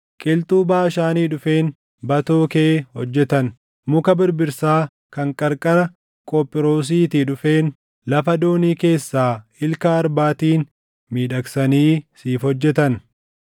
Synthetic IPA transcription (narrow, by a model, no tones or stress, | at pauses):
kʼɪlt̪uːbaːʃaːniːᶑʊfeːn | bɐt̪oːkeʔhɔd͡ʒːɛt̪ɐn | mʊkɐbɪɾbɪɾsaː | kɐŋkʼɐɾkʼɐɾɐ | kʼopʼːɪɾo̞ːs̬iːt̪iːᶑʊfe̞ːn | lɐfɐd̪o̞ːniːke̞ːsːaːɪlkaːɾbaːt̪iːn | miːᶑɐksɐniːsiːfhɔd͡ʒːɛt̪ɐn